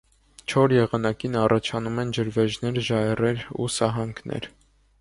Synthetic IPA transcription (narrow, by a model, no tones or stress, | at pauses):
t͡ʃʰɔɾjɛʁɑnɑkinɑrʔɑt͡ʃʰɑnumɛnd͡ʒəɾvɛʒnɛɾʒɑɛrɛɾṵsɑɦɑŋkʰnʔɛ̰ɾ